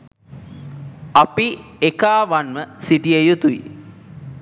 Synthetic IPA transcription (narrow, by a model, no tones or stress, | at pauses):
apiekaːʋanməsiʈiejut̪uḭ